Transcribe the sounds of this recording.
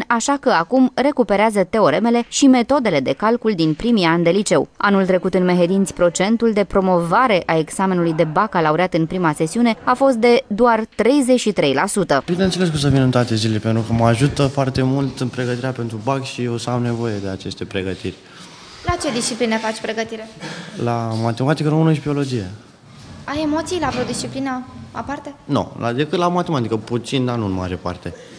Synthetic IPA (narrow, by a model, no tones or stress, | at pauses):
aʃakəakumre̞kupe̞ɾeazət̪e̞o̞ɾe̞me̞le̞ʃime̞t̪o̞d̪e̞le̞d̪e̞kalkuld̪inpɾimianʲd̪e̞lit͡ʃe̞wanult̪ɾe̞kut̪ɨnme̞ɦe̞d̪int̪sʲpɾo̞t͡ʃe̞nt̪uld̪e̞pɾo̞mo̞vaɾe̞ʔae̞ɡz̥ame̞nulujd̪e̞bakalauɾeat̪ɨnpɾimase̞siune̞afo̞st̪̚d̪e̞d̪oart̪ɾe̞jze̞t͡ʃʲʃit̪ɾe̞jlasut̪əb̥inent̪sele̞s̬kums̬əvinɨnt̪oat̪e̞zilelepent̪ɾukəmaʒut̪əfoart̪e̞mult̪ɨnpɾe̞ɡət̪iɾeape̞nt̪ɾubakʲʃieosawne̞vo̞je̞d̪e̞at͡ʃe̞st̪e̞pɾe̞ɡət̪irʲ | lat͡ʃe̞d̪ist͡ʃiplinefat͡ʃʲpɾe̞ɡət̪iɾe̞lamat̪e̞mat̪ikəɾomɨnəʃ̬bio̞lo̞d͡ʒije | aje̞mo̞t̪sijlapɾod̪ist͡ʃiplinəa̰part̪e̞no̰la̰d̪e̞kɨt̪lamat̪emat̪ikəput̪sind̪anunma̰ɾepa̰rt̪e̞